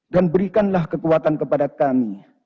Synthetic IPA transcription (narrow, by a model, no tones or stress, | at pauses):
danbəɾikanlahkəkuat̪ankəpadakami